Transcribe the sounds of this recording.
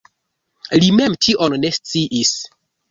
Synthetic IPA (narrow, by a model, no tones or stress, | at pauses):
lime̞mtʰiʔonne̞st͡siʔis